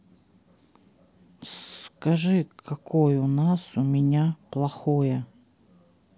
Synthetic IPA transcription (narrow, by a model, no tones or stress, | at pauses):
skɐʐɨkʰɐkʰojʊnasʊmʲɪnʲaplˠɐxojə